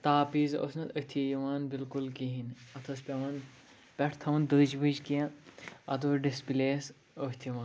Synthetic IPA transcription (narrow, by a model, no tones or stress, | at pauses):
t̪aːpiːzo̰snɐt̪ət̪ʰijiʋaːnbilkulkiɦinɐt̪ʰɐspʲɐʋɐːn | pʲɛʈʰt̪ʰɐʋɐnd̪əːd͡ʒbəd͡ʒkiɐ̃ɐt̪uːɾɖispileːs | əht̪ʰiʋãːn